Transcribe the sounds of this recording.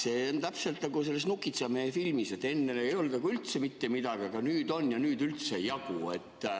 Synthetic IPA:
se̞ːont̪æpselt̪nɑɡus̬e̞lːesnukːˑit̪sɑmefilmise̞t̪ːˑe̞nːenejo̞ld̥̪ɑɡuylt̪se̞mit̪ːe̞mid̪ɑɡeɡ̥ɑnyːd̪o̞njɑnyːd̪ylt̪sejɑɡ̥ue̞t̪ː

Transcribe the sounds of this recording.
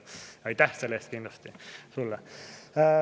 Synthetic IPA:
ɑjt̪æhselːeːst̪̚kind̪lɑst̪isulːɛ

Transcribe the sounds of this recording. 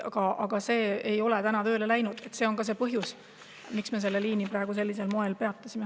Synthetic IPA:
ɑɡ̥ɑɑɡ̥ɑse̞ːejo̞le̞t̪ænɑt̪ø̞ːlelæjnud̪̥e̞t̪seo̞nkɑs̬e̞ːpɤɦjus | miksmes̬e̞lːe̞liːnipɾɑeɡ̥us̬e̞lʲːise̞lmo̞e̞lpe̞ɑt̪ˑːɑsime

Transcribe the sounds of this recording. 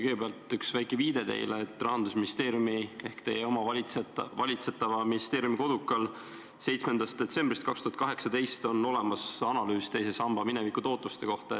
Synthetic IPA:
kɯjɡebeɑlt̪ˑyksvæjkːˑeviːd̪e̞t̪e̞̰jleːt̪ːˑrɑɦɑnd̪usminist̪e̞ːɾjumie̞hkt̪e̞jeomɑvɑlevɑlʲit̪set̪ːˑɑvɑminist̪e̞ːɾjumiko̞d̪ukːˑɑl | se̞jt̪sme̞nd̪ɑst̪d̥̪e̞t̪se̞mbrist̪̚kɑkst̪uhɑt̪̚kɑɦe̞ksɑd̪e̞jst̪o̞no̞le̞mɑsɑnɑlyːst̪e̞jsesɑmb̥ɑminevikut̪o̞ːt̪ːˑust̪e̞ko̞ht̪ɑ

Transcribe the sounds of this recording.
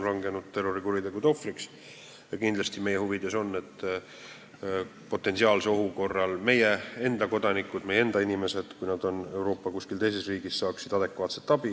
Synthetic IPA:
rɑŋɡe̞nud̪̥t̪e̞rːoɾikuɾid̪e̞ɡud̪o̞friks | jɑkind̪lɑst̪ime̞jehuvid̪̥e̞so̞nːe̞t̪ː | po̞t̪ːˑe̞nsiɑːlseoɦuko̞rːɑlme̞jee̞nd̪̥ɑko̞d̪̥ɑnikːˑud̪̥me̞jee̞nd̪̥ɑinʲime̞se̞d̪̥kujnɑd̪̥o̞ne̞wɾo̞ːpːɑkusʲkilt̪e̞js̬e̞sriːɡ̥issɑːksid̪̥ɑd̪̥e̞kːvɑːt̪se̞t̪ːˑɑb̥i

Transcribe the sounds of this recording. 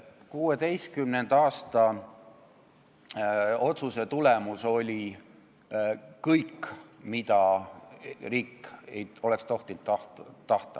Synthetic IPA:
kuːe̞d̪e̞jskymnend̪̥ɑːst̪ɑ | o̞t̪suse̞t̪ule̞muso̞lʲi | kɤjkːmid̪̥ɑ | riːkːḛjo̞le̞kst̪o̞ht̪int̪ːɑht̪t̪ːɑht̪ɑ̰

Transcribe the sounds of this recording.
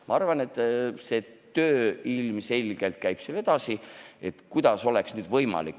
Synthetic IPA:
mɑ̰ɑrvɑne̞t̪ːˑse̞t̪øːilmse̞lʲɡ̥e̞lt̪̚kæjb̥sele̞d̪̥ɑsie̞t̪kujd̪̥ɑso̞leksnyːd̪vɤjmɑ̰likː

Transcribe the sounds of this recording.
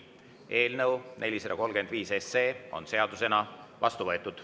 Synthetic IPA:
e̞ːlnɤwne̞lʲised̪ɑko̞lɡ̥e̞nd̪viːse̞se̞ːo̞̰nse̞ɑd̪use̞nɑvɑst̪uvɤet̪ːˑud̪̥

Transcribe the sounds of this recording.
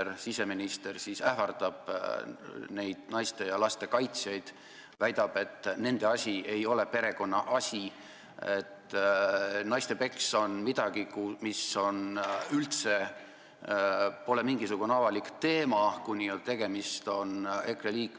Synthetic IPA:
ɾsise̞minist̪e̞rsisæhvɑrt̪ɑb̥ | ne̞jd̪̥nɑjst̪e̞jɑlɑst̪e̞kɑjt̪sjɑjd̪̥ | væjd̪̥ɑb̥e̞t̪ːne̞nd̪e̞ɑsʲie̞jo̞le̞pe̞ɾe̞ko̞nːɑʔɑsʲi | e̞t̪ː | nɑjst̪e̞pe̞kso̞nmid̪̥ɑɡ̥ikumiso̞nylt̪se̞ | po̞le̞miŋɡisuɡ̥uneɑvɑlikt̪e̞ːmɑkunʲːit̪e̞ɡ̥e̞mist̪o̞ne̞kreliːkˑ

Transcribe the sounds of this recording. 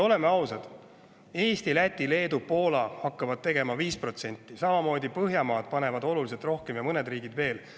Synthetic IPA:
o̞le̞meɑwsɑd̪̥ | e̞ːst̪ilæt̪ʲːˑile̞ːd̪upo̞ːlɑhɑkːɑvɑd̪̚t̪e̞ɡe̞mɑviːspro̞t̪se̞nʲt̪ˑːisɑmɑmo̞ːd̪ʲipɤɦjɑmɑːd̪̥̚pɑne̞vɑd̪o̞lulise̞lt̪ro̞hke̞mjɑmɤne̞d̪riːɡid̪ve̞ːl

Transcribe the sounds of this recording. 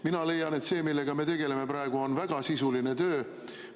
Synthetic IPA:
minɑle̞jɑne̞t̪se̞ːmilːe̞ɡ̥ɑme̞t̪e̞ɡ̥e̞le̞me̞pɾɑeɡ̥uo̞nvæɡ̥ɑsisuline̞t̪ø̞ː

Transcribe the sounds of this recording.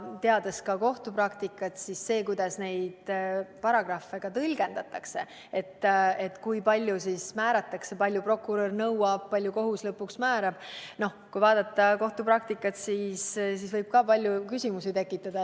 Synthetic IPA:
t̪e̞ɑd̪̥e̞skɑko̞ht̪uprɑkt̪ikˑːɑt̪sisːe̞ːkujd̪̥ɑsne̞jd̪̥pɑɾɑɡ̥rɑfːe̞ɡ̥ɑt̪ɤlʲɡ̥e̞nd̪̥ɑt̪ːˑɑkse̞ | et̪ːet̪kujpɑlʲjusismæːɾɑt̪ːˑɑkse̞pɑlʲjupro̞kuɾornɤwɑb̥̚pɑlʲjuko̞ɦuslɤpːuksmæːɾɑb̥no̞hkujvɑːd̪̥ɑt̪ˑːɑko̞ht̪uprɑk̚t̪ikːˑɑt̪siːssisvɤjb̥̚kɑːpɑlʲjukysʲimusit̪e̞kːˑit̪ːˑɑd̪̥ɑ

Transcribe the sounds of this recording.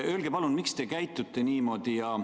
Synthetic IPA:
ø̞ːlɡ̥epɑlunmikst̪e̞kæjt̪ːˑut̪ːˑe̞niːmo̞ːd̪̥ijɑ

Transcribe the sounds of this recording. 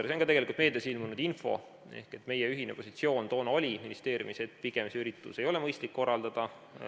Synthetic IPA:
ɾseonɡkɑt̪e̞ɡe̞likult̪me̞ːd̪̥esilmunud̪info̞̰ | e̞̰hke̞t̪ːˑme̞jeyɦinepo̞sit̪sio̞ːnt̪o̞ːnɑolʲiminist̪e̞ːɾjḭmiset̪piɡ̥emsyɾit̪ːˑṵse̞jo̞lɛmɤjst̪likːo̞rːɑld̪̥ɑd̪̥ɑ

